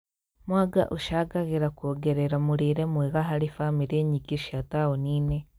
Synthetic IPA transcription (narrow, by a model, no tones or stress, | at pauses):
mwaɡa̰ʔuʃaɡaɣiɾakoːɡeɾeɾamuɾiɾemwiɣaɦaɾifamiɾeɲikiʃatawoniːne